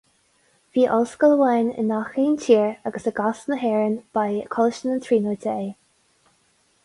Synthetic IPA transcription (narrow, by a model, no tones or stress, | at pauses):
viːʔɔlskələwajnɪ̰nːaxiːntʰiːɹaɡəsəɡasnəɦɛːɹənb̥ajkʰɔləʃənənt̪ʰɾiːnoːt̪ʰəeː